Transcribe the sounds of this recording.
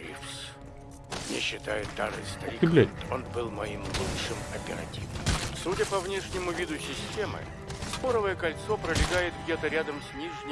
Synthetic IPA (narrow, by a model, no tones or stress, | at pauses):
ɾʲḭfs | mmnʲeɕːɪt̪a̰jɪt̪ːa̰ɾɨ̰jst̪ɐɾikɾɪblʲæonbɨlˠmɐimlˠutʂɨmɐpʲɪɾɐ̰tʲivəmsudʲəpɐvnʲeʂnʲɪmʊvʲid̪ʊsʲɪsʲtʲe̞mɨ̰ | skoɾəvəjəkɐlʲt̪sopɾəlʲɪɡajɪt̪ɡdʲe̞t̪əɾʲad̪əmsʲnʲiʐnʲɪ